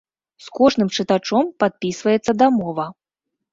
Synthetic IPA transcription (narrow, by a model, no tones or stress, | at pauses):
skɔʐnɨmt͡ʂɨt̪at͡ʂɔmpat̪̚pʲisvɐjɛt̪sːɐd̪amɔvɐ